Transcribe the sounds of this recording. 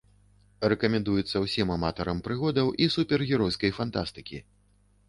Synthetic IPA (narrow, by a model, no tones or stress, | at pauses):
rɛkɐmʲɛnd̪ujut̪sːɐwsʲimamat̪ɐɾɐmpɾɨɣɔd̪ɐwʔisupʲɛrɣʲiɾɔjskɐjfant̪ast̪ɨkʲi